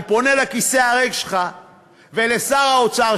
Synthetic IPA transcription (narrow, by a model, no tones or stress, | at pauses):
ponelakiseaʁeɡʃelχa | velesaʁaot͡saʁ